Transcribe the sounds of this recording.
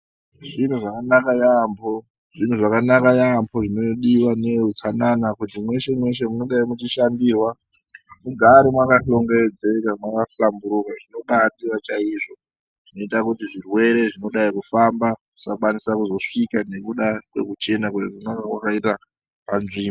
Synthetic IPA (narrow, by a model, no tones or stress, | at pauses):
ʐin̤uʐakanakajambʰo̞ | ʐin̤uʐakanakajambʰoʐinoɗiwaneɦut͡sananakutimwe̞ʃe̞mwe̞ʃe̞muno̞ɗaimut͡ʃiʃandiːrwa | muɡʱaɾimwakaɬo̞ŋɡeed͡ze̞kamwakaflambuɾukaʐino̞ɓaɗirat͡ʃaiʐo̞ | ʐ̥ino̞itakutiʐirwe̞ɾe̞ʐino̞ɗaikufambaku̥sakwanisakuzo̞ʂikane̞kuɗakwe̞̰kut͡ʃe̞nakutiʐonakakwakaita | panziːm